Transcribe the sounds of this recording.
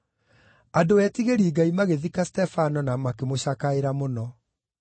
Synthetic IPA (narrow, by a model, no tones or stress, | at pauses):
adoɛtiɣeɾiːɡaimaɣeðikastɛfanɔnamakemoɕakaeɾamonɔ